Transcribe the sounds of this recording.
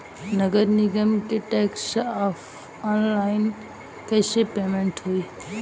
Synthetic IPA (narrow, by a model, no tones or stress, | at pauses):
nɐɡəɾniɡəmkeʈeːksaːf | aːnlaːɪn | kɐɪsepeːmẽɳʈɦuiː